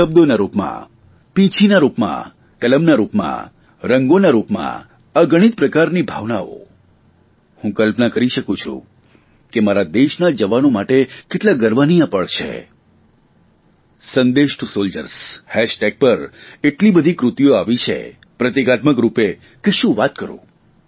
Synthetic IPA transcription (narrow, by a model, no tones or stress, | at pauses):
ʃəb̚d̪onaɾupmã̰ | pĩt͡ʃʰinaɾupmã̰ | kələmnaɾupmã̰ | ɾəŋɡonaɾupmã̰ | əɡəɽ̃it̪̚pɾəkaɾnibʱaʋnao̰ | hũkəlpnakəɾiʃəkũt͡ʃʰṵ̃ | kemaɾad̪eʃnad͡ʒəʋanomaʈekeʈlaɡəɾʋanijãpəɭt͡ʃʰḛ | sənd̪eʃʈusold͡ʒə̰ɾshɛʃʈeɡ̚pəɾeʈlibəd̪ʱikɾʊt̪joaʋit͡ʃʰḛ | pɾət̪ekat̪məkɾupe | keʃũʋat̪̚kəɾṵ̃